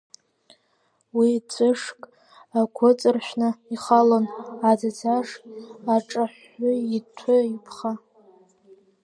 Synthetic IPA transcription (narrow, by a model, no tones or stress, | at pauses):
wit͡sʼɨʂkʼ | akʷʰʊt͡sʼɨrʃʷᶣnɨiχalonad͡zat͡sʰaʂaʈ͡ʂʼaħ | ʊitʷʰʊipʰχa